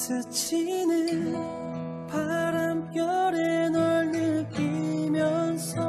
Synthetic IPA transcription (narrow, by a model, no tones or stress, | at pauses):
sɯt͡ɕʰinɯn | paɾamkjʌɾenʌʎːɯkimjʌnsʰʌ